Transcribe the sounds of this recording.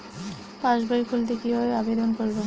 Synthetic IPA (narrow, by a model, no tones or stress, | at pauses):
pãʃbajikʰuld̪ekiɦoeabed̪onkoɾbo